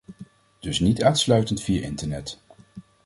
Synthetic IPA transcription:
d̥ɵsnitaːnslœɥtəntfijaɹʔɪntəɹnɛt

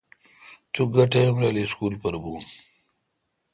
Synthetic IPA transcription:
t̪uɡɐʈejmlaliskulpɐɾbuːm

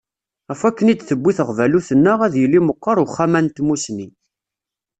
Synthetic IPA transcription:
æfækːənid̪θəbːiθəʁvæluθənːəʁæðjəlːiməqːɑɾˤuχːæmænt̪musni

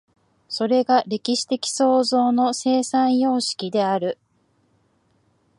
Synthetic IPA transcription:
so̞ɾe̞ɡaɾe̞kʲiɕi̥t̪e̞kʲi̥so̞ːzo̞ːno̞se̞ːsãɰ̃jo̞ːɕi̥kʲid̪e̞aɾɯ̟

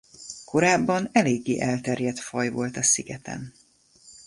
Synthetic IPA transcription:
ko̞ɾaːbːɒnɛleːɡːeːʔɛlt̪ɛrjɛt̪fɒjvo̞lt̪ɒsiɡɛt̪ɛ̰n

